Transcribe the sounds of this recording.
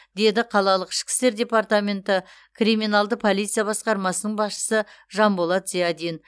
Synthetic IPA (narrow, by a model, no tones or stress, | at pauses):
d̪e̞d̪ɪqʰɑlˠɑlˠəqɪ̥ʃkʲɪ̥st̪e̞ɾd̪ʲe̞paɾt̪amʲe̞nt̪ɪ | krimʲinalˠd̪əpʰo̞lˠijt̪sɨjabɑsqɑɾmɑsənəɴbɑsʃə̥səʒɑnbolˠɑt̪zijad̪in